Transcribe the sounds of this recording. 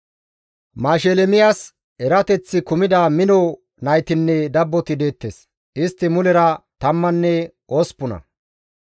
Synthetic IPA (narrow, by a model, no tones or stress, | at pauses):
maːʃelɛmɪjas | ɛɾɐt̪ɛt͡sːɪkʊmɪd̪aːmɪnɔ | nɐjt̪ɪnːɛd̪ɐbːɔt̪ɪd̪e̞ːt̪ːes | ʔɪst̪ːɪmʊlɛɾɐt̪ɐmːɐnːɛ | ʔospːʊnɐ̰